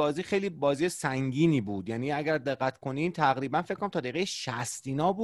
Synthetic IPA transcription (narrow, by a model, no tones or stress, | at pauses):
ɒːziːxejliːbɒːziːjesæŋɟiːniːbuːd̪̥jæːniːæɡæɾd̪e̞ɣːæt̪ʰkʰo̞niːmt̪ʰæɣɾiːbænfekʰːonæmt̪ʰɒːd̪eɣejeʃæst̪iːnɒːbuː